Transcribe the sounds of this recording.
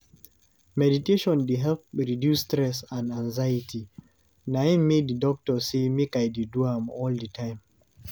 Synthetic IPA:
mɛditeʃɔ̃ndiɦɛlp̚ɹidjustɾɛsãnãŋzajitʰi | naĩmeddidɔk̚tɔsemekajdiduhãmɔldətʰãɪ̃m

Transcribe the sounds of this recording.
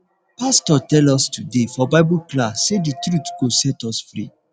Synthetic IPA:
pastɔtɛlɔstudefɔbaɪbuklasːeditɹutɡosɛtɔsfɹḭ

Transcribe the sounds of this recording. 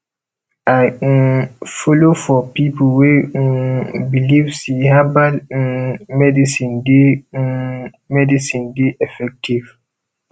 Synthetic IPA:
aɪ̃ | fɔlofɔpipʰlwẽ | bilivsihabad | mɛdisĩnde | mɛdisĩndeʔɛfɛk̚tʰiv̥

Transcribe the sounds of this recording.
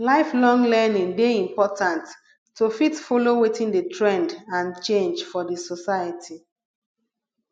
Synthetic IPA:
laɪflɔ̃ŋlɛnĩŋdeĩmpɔtãntːʰ | ufitfɔlowitĩndətʰɹɛ̃ndãnt͡ʃẽnd͡ʒfɔdəsɔsaɪjətʰi

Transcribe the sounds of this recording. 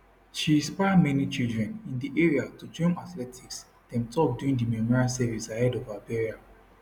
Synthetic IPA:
ʃĩspaɪadmɛnit͡ʃildɹɛ̃nĩndiʔeɹiatud͡ʒɔ̃natlɛtʰiks | d̥ɛ̃mtɔp̚duĩŋdimɛmɔɹiasɛvisahɛdɔvabɛɹia

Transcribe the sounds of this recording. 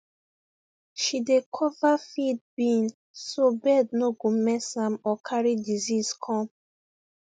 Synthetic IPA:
ʃidekʰɔvafid̚bĩn | sobɛdnoɡomɛsãmɔkʰaɹidiziskʰɔ̃m

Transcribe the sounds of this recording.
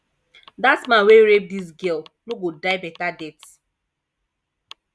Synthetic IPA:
datsmãweɾep̚dis̬ɡɛlluɡodaɪbɛtadɛt

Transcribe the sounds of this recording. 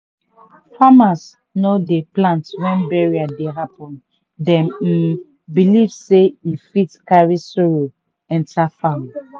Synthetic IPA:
famas | nodeplãntwɛ̃nbɛɹiadeɦapɔ̃n | dɛ̃m̩ | bilivseifitkaɹisɔɹo | ɛ̃ntʰafam

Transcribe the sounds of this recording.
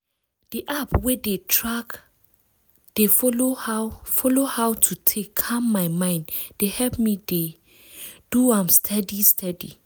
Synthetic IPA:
d̥iʔapwedetʰɹak | d̥efɔofɔlohawtʰutʰekʰːãmːajmãj̃ndd̥ehɛlpmide | d̥uãmstʰɛdistʰɛdḭ

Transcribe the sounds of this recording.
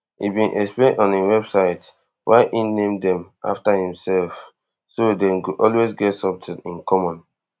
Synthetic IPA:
ḭbĩnʔɛksplẽnɔ̃niwɛbsaɪt | wʔaɪʔĩnẽmdɛ̃mʔa̰ftahĩmsɛlf | sodɛ̃mkuʔɔlwezɡɛtsɔptʰɛ̃nĩnkʰɔmɔ̃n

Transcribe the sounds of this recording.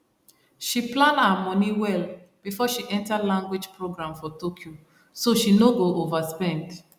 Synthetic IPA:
ʃiplãnaamɔniwɛl | b̥ifɔʃiʔɛ̃ntalãŋɡwid͡ʒpɹoɡɾãmfɔtokʰjo | soʃinoɡoʔovaspɛ̃nd

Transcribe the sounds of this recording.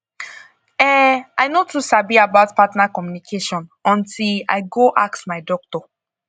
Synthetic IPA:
ɛaɪnotʰusabiabaʊtpatnakɔmjunikʰeʃɔ̃nɔ̃ntʰila̰ɪɡoʔa̰k̚tmaɪdɔk̚tɔ

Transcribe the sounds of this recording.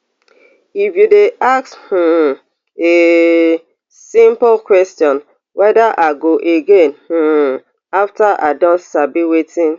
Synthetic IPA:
ifjudeʔak̚sh̩ | e | sĩmplkwɛstjɔ̃n | wɛdaʔaɡoʔeɡẽnh̩ | aftaʔadɔ̃nsabiwetĩn

